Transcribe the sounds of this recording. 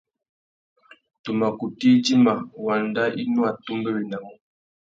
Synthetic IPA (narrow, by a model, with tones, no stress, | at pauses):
tu˨ma˨ku˨ti˦d͡ʒi˦ma˨wa˨n˦da˦ʔi˦nu˦a˨tu˦mbɛ˦bi˨na˨ŋɔ˦